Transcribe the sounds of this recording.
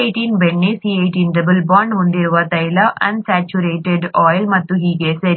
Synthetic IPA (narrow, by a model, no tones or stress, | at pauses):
eʈiːnbeɳːesiejʈiːnɖ̪ɐbɨlbaːɳɖɦond̪iɾuʋɐt̪ɐjlɐʔɐ̰nsæːt͡ʃuɾeːʈeɖɔːjlmɐt̪ːuɦiːɡeseɾ